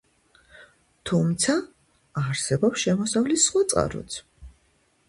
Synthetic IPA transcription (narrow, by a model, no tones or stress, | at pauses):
t̪ʰumt̪sʰaː | ɾsɛbɔpsʃɛmɔsavlisːχwat̪sʼqʼa̰ɾɔ̰t̪sʰ